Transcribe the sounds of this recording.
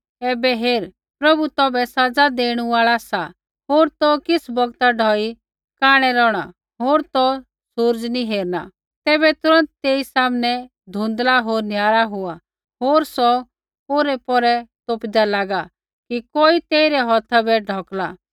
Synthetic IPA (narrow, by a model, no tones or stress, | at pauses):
ɛːbɛɦeːɾ | pɾɐbut̪ɔbɛsad͡zad̪eːɽ̃uʋaːɭasa | ɦoːɾt̪ɔkɪsbɔɡt̪aɖʱɔi | kaːɽ̃ɛɾɔːɽ̃a̰ | ɦoːɾt̪ɔ | sʊɾd͡ʒniɦeːɾna̰ | t̪ɛːbɛt̪ʊɾə̃nt̪t̪eːisaːmnɛ | d̪ʱũnd̪laɦoːɾnjaːɾaɦʊa | ɦoːɾsɔ | oːɾɛpɔɾɛt̪oːpd̪alaːɡa | kikoːit̪eːiɾɛɦɔt̪ʰabɛɖʱɔklaː